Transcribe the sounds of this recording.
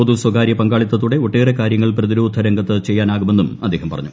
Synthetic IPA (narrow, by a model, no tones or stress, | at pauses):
od̪uswɐɡaːɾjɐpɐŋɡaːɭit̪ːɐt̪ːuɽe̞oʈːeːrekaːɾjɐŋːɐɭprɐðiɾoːd̪ʱɐɾɐŋɡɐt̪ːɨt͡ɕejːaːnaːɣume̞nːumɐd̪ːe̞ːɦɐmpɐrɐɲːu